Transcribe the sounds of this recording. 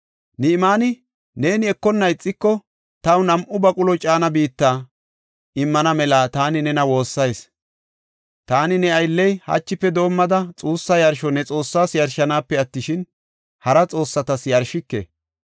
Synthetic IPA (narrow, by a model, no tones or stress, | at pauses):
nɛɪmaːnɪ | ne̞ːnɪɛkːɔnːɐɪt͡sʼːɪkːɔ | t̪ɐwnɐmʔʊbɐkʼʊlɔt͡ʃʼaːnɐbiːt̪ːaː | ɪmːɐnɐmɛlaːt̪aːnɪnɛnɐwo̞ːsːɐjs | t̪aːnɪnɛɐjlːɛjhɐ̰t͡ʃːɪpːɛd̪o̞ːmːɐd̪ɐt͡sʼuːsːɐjɐɾʃɔnɛt͡sʼo̞ːsːaːsjɐɾʃɐnaːpːɛɐt̪ːɪʃɪn | hɐɾɐt͡sʼo̞ːsːɐt̪ɐsjɐɾʃɪkːḛ